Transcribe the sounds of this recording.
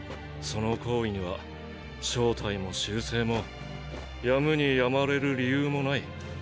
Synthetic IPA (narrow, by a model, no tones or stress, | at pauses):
so̞no̞kʰo̞ːiɲ̟iβa̰ | ɕo̞ːt̪ʰaimo̞ɕɨːse̞ːmo̞ | jamɯ̟ɲ̟ijamaɾe̞ɾɯ̟ɾʲijɯːmo̞nai